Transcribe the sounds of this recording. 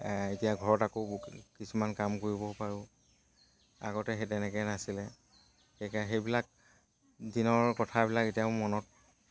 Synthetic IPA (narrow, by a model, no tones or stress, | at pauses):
etijaɡʱɔɹɔtakokisumankamkoɹibɔpaɹʊ | a̰ɡɔtɛɦetɛnɛkɛjnasilɛ | xekaxejbilak̚ | dinɔɹkɔtʰabilaketijaʊmɔnɔt̚